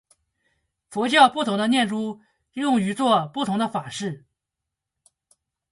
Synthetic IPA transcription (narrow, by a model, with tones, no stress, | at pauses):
fɔ˧˥t͡ɕjɑ˥˧ʊpu˥˩t̪ʰʊ˧˥ŋd̪ə˧njɛ˥˩nʈ͡ʂu˥ | jʊ˥˩ŋy˧˥t͡swɔ˥˧pu˥˩t̪ʰʊ˧˥ŋd̪ə˧fa˨˩ʂɻ̩˥˩